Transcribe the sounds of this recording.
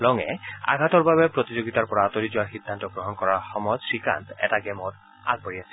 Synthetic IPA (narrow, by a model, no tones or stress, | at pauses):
lɔŋɛ̰a̰ɡʱat̪ɔɹbaβepɹot̪id͡ʑoɡit̪aɹpɔɹaat̪olid͡ʑɔaɹxid̪ʱːant̪ɔɡɹɔɦɔnkɔɹaɹxɔmɔd͡ʒsika̰nt̪ɛ̰taɡɛmɔt | a̰ɡ̚baɹiasʰi̥